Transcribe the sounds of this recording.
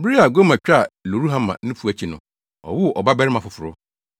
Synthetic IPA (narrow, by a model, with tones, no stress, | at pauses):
bi˦ɾi˦a˨ɡo˦mã˨t͡ɕᶣa˦˨lo˨ɾu˦ɦã˦mã̰˨nʊ̃˦fu˨˦æ˨t͡ɕʰi˨nʊ̰̃˨ | ɔ̰˨wʊ˦˨ʔɔ˨ba˦bɛ˦ɾɪ˦mã˨fʊ˨fʊ˨ɾʊ˦